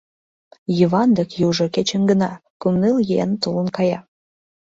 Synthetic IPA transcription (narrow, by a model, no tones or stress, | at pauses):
jivɑnd̪əkjuʒoket͡ɕĕŋɡə̆nɑkumnɨljḛnt̪ulənkɑjɑ